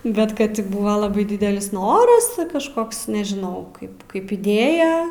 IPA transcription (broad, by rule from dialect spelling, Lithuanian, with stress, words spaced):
ˈbʲɛt ˈkɐt tʲɪ ˈbʊʋɐ ˈlˠɑːbɐɪ ˈdʲɪdʲɛlʲɪs ˈnoːrɐs tʲɪ kɐʃˈkoːks nʲɛʒʲɪˈnɐʊ ˈkɐɪp kɐɪp ɪˈdʲeːjɛ